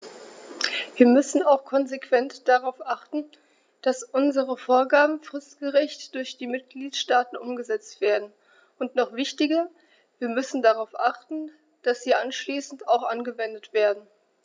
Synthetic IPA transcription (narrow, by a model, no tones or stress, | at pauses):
viːɐmʏsn̩aʊxkʰɔnzekv̥ɛntd̥aʁaʊfʔaχtn̩ | d̥asʔʊnzəʁəfoːɐɡaːbm̩fʁ̥ɪstɡ̥əʁɛçtd̥ʊɐçd̥iːmɪt̚ɡ̥liːtʃtaːtn̩ʔʊmɡəzɛt͡stv̥eːɐdn̩ | ʔʊntnɔχv̥ɪçtɪɡɐ | viːɐmʏsn̩daʁaʊfʔaχtn̩ | d̥asz̥iːʔanʃliːsn̩taʊxʔanɡəvɛndətv̥eːɐdn̩